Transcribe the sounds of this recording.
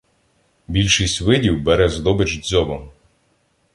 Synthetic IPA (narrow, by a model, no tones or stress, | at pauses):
bʲilʲʃɪjsʲtʲʋɪdʲiwbɛɾɛzd̪ɔbɪt͡ʃzʲɔbɔm